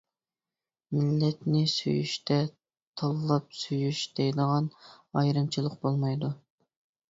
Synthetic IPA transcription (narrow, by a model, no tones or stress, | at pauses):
mɪlːɛt̪nɪsy̰jy̰ʃt̪ʰɛ | t̪ʰɑlˠlːˠɑp̚syjyʃd̪ɛjd̪əʁɑn | ɑjɾɨmt͡ʃʰilˠəqbolˠmɑjd̪u